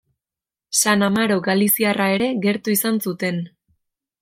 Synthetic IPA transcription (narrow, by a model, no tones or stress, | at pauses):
sanamaɾoɡalisiarae̞ɾe̞ɣe̞ɾt̪uisansut̪e̞n